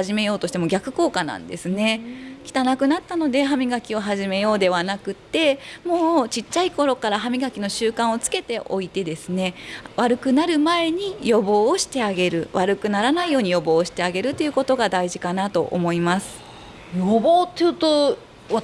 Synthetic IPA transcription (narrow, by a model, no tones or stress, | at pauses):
haʑime̞jo̞ːt̪o̞ɕi̥t̪e̞mo̞ɡʲakɯ̟ko̞ːkanã̰nd̪esɨne̞kʲi̥t̪anakɯ̟nat̪ːano̞d̪e̞ɦamʲiɡakʲio̞ɦaʑime̞jo̞ːd̪e̞βanakɯ̟t̪ːe̞mo̞ːt͡ɕitt͡ɕːaiko̞ɾo̞kaɾaɦamʲiɡakʲino̞ɕɨːkãɰ̃o̞t͡sɨ̥ke̞t̪e̞ʔo̞̰it̪e̞d̪e̞sɨne̞βaɾɯ̟kɯ̟naɾɯ̟mae̞ɲ̟ijo̞bo̞ːɕi̥t̪e̞aɡe̞ɾɯ̟βaɾɯ̟kɯ̟naɾanaijo̞ːɲ̟ijo̞bo̞ːɕi̥t̪e̞aɡe̞ɾɯ̟t̪ːe̞jiɯ̟ko̞t̪o̞ɡad̪aiʑikanat̪o̞̰ʔo̰mo̞imasɨ̥ | joboːt̪ːejɯ̟ːt̪o | a